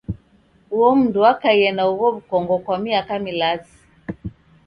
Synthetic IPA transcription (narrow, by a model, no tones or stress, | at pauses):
uwɔm̩nduwakaiɛnauɣɔβukɔŋɡɔkwamiakamilazi̥